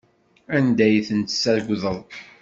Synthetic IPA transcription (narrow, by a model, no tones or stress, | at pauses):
ænd̪æjθənt̪ə̥sæɾɡʷðəðˤ